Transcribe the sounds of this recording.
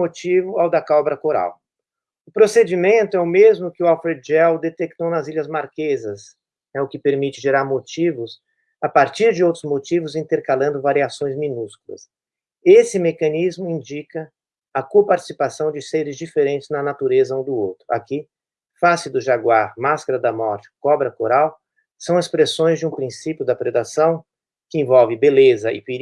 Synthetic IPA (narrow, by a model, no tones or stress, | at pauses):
mot͡ʃivʊawd̪ɐkawbɾɐkoɾa̰w | ʊpɾosed͡ʒimẽnt̪ʊɛʊmezmʊkɪʊawfeɾd͡ʒɛwd̪et̪ek̚t̪ownɐziʎɐzmaɾkezɐs | nɛʊkɪpeɾmit͡ʃɪʒeɾaɾmot͡ʃivʊs | apaɾt͡ʃiɾd͡ʒɪowt̪ɾʊzmot͡ʃivʊzĩnt̪eɾkalɐ̃nd̪ʊvaɾiasõj̃zmĩnuskulɐ̰s | esɪmekɐ̃nizmʊĩnd͡ʒikɐ | ɐkopaɾt͡ʃi̥sipasɐ̃w̃d͡ʒɪsejɾɪzd͡ʒifeɾẽnt͡ʃɪznɐnat̪uɾezɐũd̪ʊowt̪ɾʊʔa̰kɪ | fasɪd̪ʊʒaɡwaɾmaskaɾɐd̪ɐmɔɾt͡ʃɪ̥kɔbɾɐkoɾaw | sɐ̃w̃espɾesõj̃zd͡ʒɪũpɾĩsipjʊd̪ɐpɾed̪asɐ̃w̃ | kɪẽvɔwvɪbelezɐʔɪ̰pe